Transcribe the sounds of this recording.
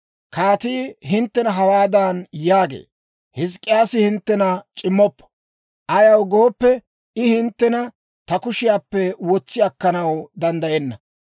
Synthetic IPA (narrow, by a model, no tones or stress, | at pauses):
kaːt̪iːɦɪnt̪ːɛnɐɦɐwaːd̪aːnjaːɡḛː | hɪs̬kʼːɪjaːsɪhɪnt̪ːɛnɐt͡ʃʼɪmːɔpːɔ̥ | ʔɐjɐwɡoːpːɛ | ɪhɪnt̪ːɛnɐ | t̪ɐkʊʃɪjaːpːɛwɔt͡sːɪɐkːɐnɐwd̪ɐnd̪ɐjɛnːɐ